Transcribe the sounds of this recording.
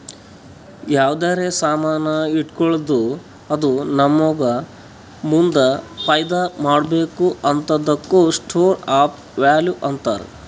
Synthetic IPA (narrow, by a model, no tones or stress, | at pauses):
jaːʋd̪aːɾesaːmaːnɐiʈkɔɭd̪u | ɐd̪unɐmːɔɡɐ | mund̪ɐpɐjd̪ɐmaːɽbeːkuɐnt̪ɐd̪ɐkːusʈʰoːɾaːp | ʋaːljuʔɐnt̪a̰ːɾṵ